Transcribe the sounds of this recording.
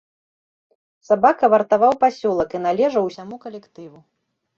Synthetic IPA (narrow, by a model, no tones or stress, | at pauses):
sabakɐvɐrt̪avawpasʲɔlˠɐkin̪alʲɛʐɐwsʲamukɐlʲɛkt̪ɨvu